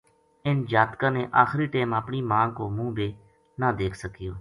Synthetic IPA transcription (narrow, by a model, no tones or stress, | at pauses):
ɪnd͡ʒaːt̪kãːneːʔaːxɾiːʈeːməpniːmãːkoːmũːbeː | naːd̪eːkʰsəkɪjoː